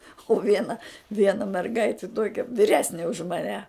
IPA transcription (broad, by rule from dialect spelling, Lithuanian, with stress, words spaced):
ʊ ˈʋʲiɛnɐ ˈʋʲiɛnɐ mʲɛrˈɡɐɪtʲɪ ˈtuɔkʲɛ ʋʲɪˈrʲæːsʲnʲɪ ʊʃ mɐˈnʲɛ